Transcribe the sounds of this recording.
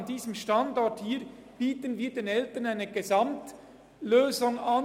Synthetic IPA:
nd̥iːzəmʃtɑndɔthiː | b̥iːtənviːdeːnɛltənaɪnəɡezɑmt | løːzʊŋɑn

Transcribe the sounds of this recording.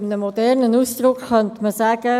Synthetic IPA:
mnəmːɔdɛrnənuːsd̥̪ɾʊkχœntməsaːɡə

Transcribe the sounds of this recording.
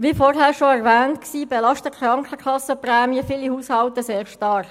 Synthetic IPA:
ʋiːfɔrɦæːɾʃoɛʁʋɛːntksiːbelɑʃtəkʰɾɑŋkχəkʰɑsəprɛːmiəfiːlihuːshɑlt̪əseːʁʃtɑɾχ

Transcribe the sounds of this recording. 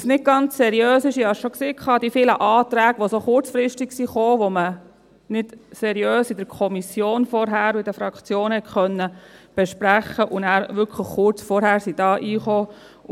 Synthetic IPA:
snɪt̚ɡ̥ɑnt͡ssɛɾijøːsɪʃihɑʃʃokseːkʰχɑːd̥ifɪːləʔɑːt̪ɾæːɡʋosoχʊɾt͡sfɾɪʃtiksiχoːʋomə | nɪd̥sɛɾiøːsidəɾkʰɔmisjoːnfɔɾɦæːɾʊɪd̥əfɾɑkt͡sjoːnhɛtχœnːəb̥ɛʃpɾæχːəʔʊnæːɾʋʏɾkʰləχːʊɾt͡sfɔɾhæːɾsid̥ɑːʔiːχoː

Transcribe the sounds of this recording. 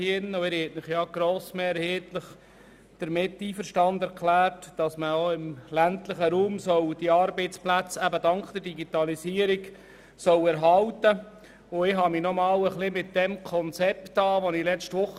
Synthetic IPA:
ɪnːʊɪɾhɛtnɪχjɑɡ̥ɾoːsmeːɾheːtləχ | d̥əɾmɪtːiːfəɾʃtɑnd̪ɛɾkχlæːɾtd̥ɑsməoɪmlæntləχəɾuːmsɔwd̥iɑːɾbeɪt͡splæt͡sæbədɑŋkχd̪̥əɾdiɡit̪ɑlisiːəɾiɡ | sɔwɛɾɦɑltə | ʊɪɦɑminɔmɑːwəχlɪmɪtdɛmkʰɔnt͡sɛptɑːʋɔnɪlɛt͡ʃtʋʊχ

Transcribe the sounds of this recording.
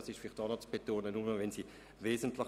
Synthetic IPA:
ɑsɪʃfɪlɪχtd̥ɑːnot͡sb̥etoːnənuməvɛnsiː | veːzən̩tlɪ

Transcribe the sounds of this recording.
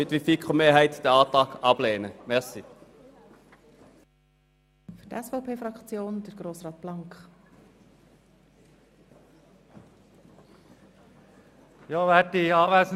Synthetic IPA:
ʏt̪ʋifɪkʰʁomeːhæɪt̪d̪ɛɑːt̪ɑːkɑb̥leːnəmɛʁsɪ | fy̥tɛsfɔʊpʰeːfɾɑkt͡sjoːnd̥̪əɾɡ̥ɾoːsrɑːt̪b̥lɑŋkχ | jɑːʋætiɑːʋæsn

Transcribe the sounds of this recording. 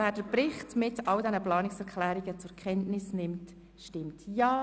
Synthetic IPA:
æːd̥əɾpɾɪχtmɪtɑldɛnəplɑːnɪksɛɾkʰχlæːɾiɡət͡sʊɾkʰɛntnɪsnɪmt | ʃtɪmtjɑː

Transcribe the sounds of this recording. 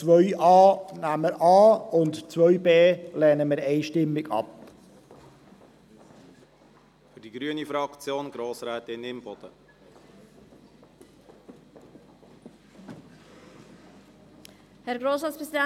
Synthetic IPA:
t͡sʋœʏʔɑːnæməɾɑːʊntt͡sʋœʏbeːlɛːnəmɪːɾɛɪʃtɪmːɪɡɑ̰p | fyɾd̥iɡɾyənifɾɑkt͡sjoːnɡɾoːsɾɛːtɪnɪmbɔd̥ə | hɛɾɡɾoːsɾɑːtt͡spʁɛzidɛ

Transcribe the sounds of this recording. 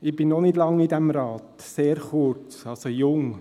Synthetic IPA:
ɪbɪnːɔnɪdlɑŋːidɛmɾɑːt | seːɾχʊɾt͡sɑlsojʊŋ

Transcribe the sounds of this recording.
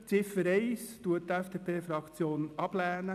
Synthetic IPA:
t͡sɪfəɾɛɪstuəttɛfd̥eːpʰeːfɾɑkt͡sjoːnɑb̥læːnə

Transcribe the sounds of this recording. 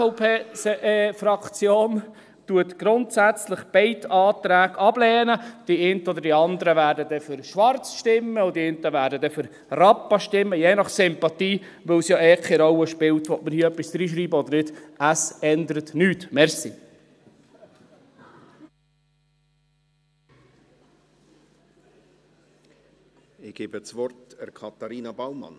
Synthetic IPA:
pʰeː | fɾɑkt͡sjoːn | tuətɡ̥ɾʊntsæt͡sləχb̥ɛɪtɑːt̪ɾæːɡɑb̥lɛːnəd̥iɛntəɔd̪əɾd̥iɑnd̪əɾəʋæːɾdədɛfʏɾʃʋɑrt͡sʃtɪmːəʊdiɪnt̪əʋæːɾdədɛfʏɾ | rɑpːɑʃtɪmːəjeːnɑχsɪmpɑt̪iː | ʋɵwsjɑɛkχiɾɔwəʃpɪwt̪ʋɔtməɾhiːœpːisd̪̥ɾiːʃɾiːbəɔdəɾnɪdəsɛnd̪əɾət̪nyːt̪mɛɾsi | ɪɡ̥eːbət͡sʋɔrtɛɾkʰɑt̪ɑɾiːnɑbawmɑ̰n

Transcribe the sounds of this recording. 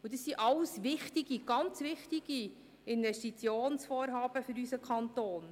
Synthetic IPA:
ud̥̪əsːiʔɑlsʋɪχt̪iɡ̥iɡ̥ɑnt͡sʋɪχtiɡ̥i | ɪnvɛstit͡sjoːnsfoːɾɦɑːb̥əfɵɾysəkʰχɑnt̪oːn

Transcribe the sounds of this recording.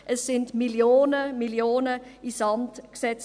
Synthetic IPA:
ʔɛsːɪntmiljoːnəmiljoːnəʔisɑmtksɛt͡s

